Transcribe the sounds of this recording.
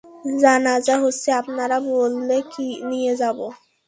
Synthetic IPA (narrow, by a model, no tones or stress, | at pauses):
d͡ʑanazaɦosiapnaɾabolːekinijed͡ʑabo